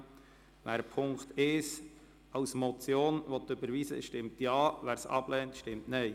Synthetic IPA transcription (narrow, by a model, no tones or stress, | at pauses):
ʋæːɾpʰʊŋkt̪ɪʃ | ɑʊsmɔt͡sjoːnvɔt̪ːʏbəɾʋiːsə̰ʃtɪmtjɑːvæːɾsɑ̰b̥lɛːntʃtɪmtnɛɪ